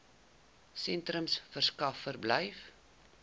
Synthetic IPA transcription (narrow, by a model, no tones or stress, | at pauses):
sɛntrəmsfərskɐfːərbləjf